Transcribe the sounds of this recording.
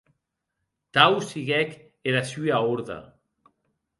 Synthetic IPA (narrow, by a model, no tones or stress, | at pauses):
t̪awsiɣɛk | elasyaoɾða̰